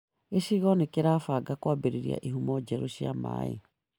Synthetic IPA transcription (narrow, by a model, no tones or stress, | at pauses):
esiɣɔnekeɾaːfaɡakwabeɾeɾia̰ʔiɦumɔd͡ʒɛɾoʃiama̰ːḛ